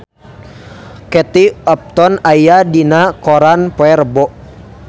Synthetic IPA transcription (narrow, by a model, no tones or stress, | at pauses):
kɛt̪iɔp̚t̪ɔnajjadinakɔɾanpɔɛrbɔʔ